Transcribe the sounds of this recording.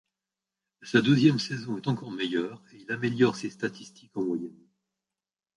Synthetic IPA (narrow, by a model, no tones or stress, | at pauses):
sad̪øzjɛmsezɔ̃ɛt̪ɑ̃kɔʁmɛjœːʁeilameljɔʁsest̪at̪ist̪ʰikɑ̃mwajɛn